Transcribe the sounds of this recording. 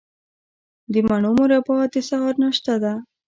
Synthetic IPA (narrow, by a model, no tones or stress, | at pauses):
d̪əmaɳumʊɾapɑt̪esaɣɑɾnaʃt̪ad̪a